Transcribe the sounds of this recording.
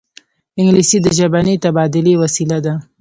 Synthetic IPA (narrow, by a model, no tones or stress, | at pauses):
ɪŋɡlisid̪əʒabanit̪abɑd̪ɪlewasilad̪a